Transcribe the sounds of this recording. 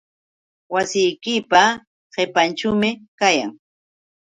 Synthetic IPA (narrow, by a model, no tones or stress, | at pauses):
wasɪjkɪpa | ɢepant͡ʃʊmɪkaja̰ŋ